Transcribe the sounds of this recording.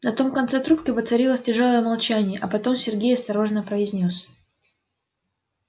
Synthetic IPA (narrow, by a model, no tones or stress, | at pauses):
nɐt̪o̞mkɐnt̪sɛt̪ɾupkʲɪvət̪sɐɾʲilˠəsʲtʲɪʐo̞lˠəjəmɐlˠt͡ɕænʲɪjəʔɐpɐt̪o̞msʲɪrɡʲejɐst̪ɐɾo̞ʐnəpɾəɪzʲnʲo̞s